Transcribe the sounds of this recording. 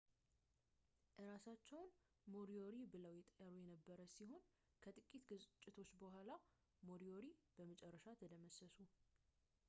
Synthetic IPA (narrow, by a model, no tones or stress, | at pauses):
ʔɨɾasat͡ʃːɛwn | mo̞ɾioɾibɨləwjɛt̪ʼəɾujɛnəbːəɾəsiho̞n | kʰət̪ʼɨkʼit̪ɡɨt͡ʃʼːɪt̪ʰo̞t͡ʃːbəɦʷala | mo̞ɾio̞ɾib̥əmət͡ʃʼɛrːəʃat̪ʰəd̪əməsəsu